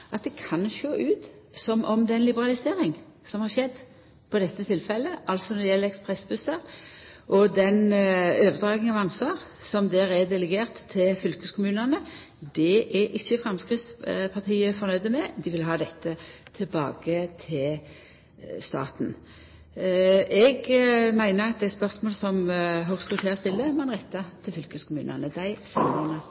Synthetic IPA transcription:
ʔɑt̪̚d̪ɛkʰɑnʃøːʔʉːt̪ | sɔmʔɔmd̪ɛnlɪbəʁɑlɪseːɾɪŋ | sɔmhɑɾʃɛd̪ː | pʰɔd̪ɛt̪ːət̪ʰɪlfɛlːəʔɑlsɔnɔd̪ɪjɛlːəɛkspʁɛsbʉsəʁʔɔd̪ɛnøːʋəd̪ɾɑːɡɪŋɑʋɑnsʋɑːʁ | sɔmd̪æɾɛd̪ɛləɡeːʁt̪ʰːɪlfʏlkəskʰʊmʉːnənə | d̪ɛʔɛʔɪçːəfɾɑmskɾɪt̪spʰɑt̪ʰiːəfɔʁnœʏd̪əmɛd̪ɪʋɪlɦɑːd̪ɛt̪ʰːət̪ʰɪlbɑ̰ːɡət̪ʰɪl | st̪ɑ̰ːt̪n̩ | ɛɡmæɪnəʁɑt̪̚d̪æɪspœʁsmoːlsɔmɦʊʁsʉt̪ʰɛɑst̪ɪlːəmɛnʁɛt̪ːɑt̪ʰɪlfʏlkəskʰʊmʉ̰ːnə̰nəd̪æɪsɑmbɑnə

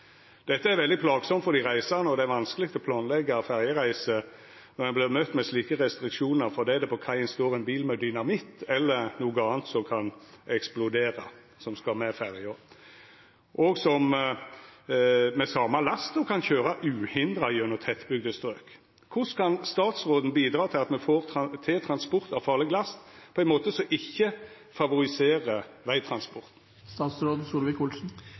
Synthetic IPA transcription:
d̪̥ɛt̪ːəæɾʋɛld̪ɪpʰlɑːɡsɔmt̪fɔɾd̪ɪʁæɪsɑʁnəɔd̪ɛæɾʋɑnskəlɪk̚t̪ɔpʰlɑːnlɛɡːɑfæʁjəɾæɪsə | nɔɾjæblɪmœt̪ːmɛsliːkəʁɛst̪ɾɪkʂuːnəɾfɔd̪ɛæd̪ɛpʰɔkʰɑɪənst̪oːɾɛnbiːlmɛd̪ʏnɑmɪt̪ːɛlːənuːɡəɑːnt̪sɔkʰɑnɛksplʊd̪eːɾɑ | sɔmskɑlmɛfæʁjə | ʔɔɡsɔm | mɛsɑːmɑlɑst̪ɔkʰɑnçøːɾɑʔʉːhɪnd̪ɾɑɪʉnəʁt̪ʰɛt̪ːbʏɡ̚d̪əst̪ɾøːk | kʰʊskʰɑnst̪ɑːt̪sʁoːd̪n̩biːd̪ɾɑːt̪ʰɪlɑt̪mɛfoːʁt̪ʰeːt̪ʰɾɑnspʊɾt̪ɑʋfɑːʁlɛɡlɑst̪pʰɔɛɪnmoːt̪əsɔʔɪçːə | fɑʋʊɾɪseːʁəʋæɪt̪ʰɾɑnspɔʁt̪n̩ | st̪ɑːt̪sɾoːd̪suːɾʋɪkʊlsn̩

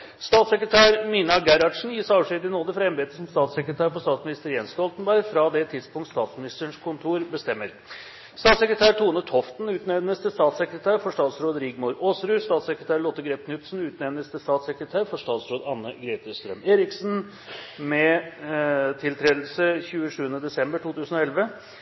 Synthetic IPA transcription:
st̪ɑːt̪səkɾət̪ʰæːɾmiːnɑɡæɾɑʈʂn̩jiːʂɑːəʂid̪ɪnoːd̪əfɾɑɛmbeːt̪əsɔmst̪ɑːt̪sɛkɾət̪ʰæːɾfɔʂt̪ɑːt̪smɪnɪst̪əɾjɛnsst̪ɔlt̪nbæɾɡfɾɑːd̪ɛt̪ʰɪd̪spʊŋt̪st̪ɑːt̪smɪnɪst̪əəɳʂkʰʊnt̪ʰuːɾbəst̪ɛmːəɾ | st̪ɑːt̪səkɾət̪ʰæːɾʈ̪ʰuːnət̪ʰɔft̪n̩ʉːt̪nɛʋnəst̪əst̪ɑːt̪sɛkɾət̪ʰæːɾfɔʂʈɑːt̪sɾoːd̪ɾɪɡmʊɾoːsɾʉːst̪ɑːt̪səkɾət̪ʰæːɾɭɔt̪ːəɡɾeːp̚kʰnʏt̪sn̩ʉːt̪nɛʋnəst̪əst̪ɑːt̪sɛkɾət̪ʰæːɾfɔʂtɑːt̪sɾoːd̪ɑnːəɡɾɛɪt̪əst̪ɾœmeːɾɪksn | mɛ | t̪ʰɪlt̪ʰɾeːd̪lsəçʉːəʂʉːənəd̪ɛsɛmbəʈʰuːt̪ʰʉːsən̩ɔɛlʋə

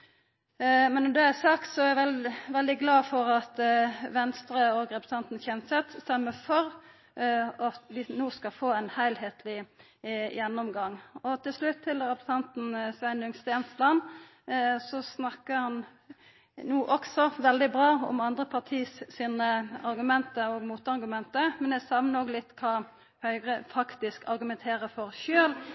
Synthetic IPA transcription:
mɛnːɔd̪ɛæɪsɑkt̪sɔææʋɛʋɛld̪ɪɡlɑːfɔɾɑt̪ʋɛnst̪ɾəɔɡʁɛpɾsɑnt̪n̩çɛmsɛt̪st̪ɛmːəfɔɾ | ɑt̪ʋɪnoːskɑfoːænhæɪlheːt̪lɪ | jɛnːɔmɡɑŋːɔt̪ʰɪlslʉt̪ʰːɪlɾɛpɾsɑnt̪n̩sʋæɪnʉŋst̪eːnslɑn | sɔsnɑkːəɾhɑn | nuːʔɔksɔʋɛld̪ɪbʁɑːɔ̰mɑnd̪ʁəpʰɑʁt̪ʰiːssiːnəɑɾɡʉmɛnt̪əɔɡmuːt̪ɑɾɡʉmɛnt̪əmɛnæsɑʋnənoːɡlɪt̪ːkʰɑː | hœʏʁəfɑkt̪ɪskʰɑɾɡʉmɛnt̪ʰeːɾəfɔɾʃøːl

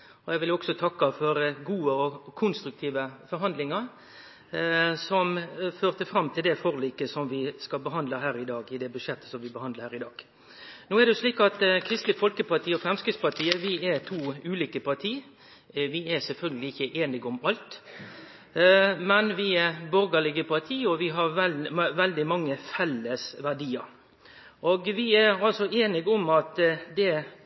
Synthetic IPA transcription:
ɔɛɡʋɪlɔksɔt̪ʰɑkːɑfɔɾɡuːəɔkʰʊnst̪ɾʉk̚t̪ʰiːʋəfɔɾɦɑnd̪lɪŋəɾ | sɔmføːʁt̪əfɾɑmːt̪ʰɪld̪ɛfoːɾliːkəsɔmʋɪskɑlbəɦɑnd̪ləɦæːɾɪd̪ɑːɡɪd̪ɛbʉʂɛt̪ːə̥sɔmʋɪbəhɑnd̪əɾhæːɾɪd̪ɑːɡ̥ | noːɛd̪ɛʊʂliːkɑt̪kʰɾɪst̪lɪfɔlkəpʰɑt̪ʰiːɔfɾɛmskɾɪt̪spɑt̪ʰiːəʋɪɛt̪ʰuːʉːliːkəpʰɑt̪ʰiː | ʋɪɛsɛlfœlɡəlɪɪçːəʔeːnɪɡʊmɑlt̪ | mɛnʋɪɛbɔɾɡəlɪɡəpʰɑt̪ʰiːɔʋɪɦɑɾʋɛlʋɛld̪ɪmɑŋːəfɛlːəsʋæɖiːəɾ | ʔɔɡʋɪæɾɑlsɔeːnɪɡɔmɑt̪d̪ɛ

